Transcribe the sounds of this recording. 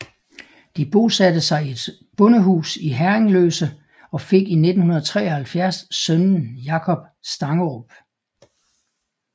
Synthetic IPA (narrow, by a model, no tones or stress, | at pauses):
d̥ib̥o̝sæd̥əsɑ̈ɪe̝d̥ | b̥ɔ̽nəɦṵːsiɦæɐeŋløːsə | ɒ̽fe̝ɡ̥ine̝d̥n̩hunɐðɐt͡sʰʁɛ̰ːɒhælfjæɐ̰ssœnn̩jɑ̈kʰɒ̽b̥ | sd̥ɑ̈ŋɒb̥